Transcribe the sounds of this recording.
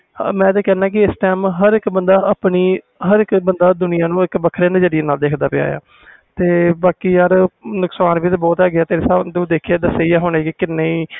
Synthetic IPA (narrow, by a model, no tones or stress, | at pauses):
mɛ̃ːt̪eːkɛːnãːk̬ɪɪsʈɛːmɦəɾɪkbənd̪aːəpniː | ɦəɾɪkbənd̪aːd̪ʊnɪjaːnũːɪkbəkʰɾeːnd͡ʒəɽɪjeːnaːld̪eːkʰd̪aːpɪa̰ːja̰ː | t̪eːbaːkiːjaːɾnʊksaːnbiːt̪eːbɔːt̪ɛːɡɪaːt̪eːɾeːsad̪ũːd̪eːkʰeːd̪əseːijaːɦoːnekɪkɪnːeːiː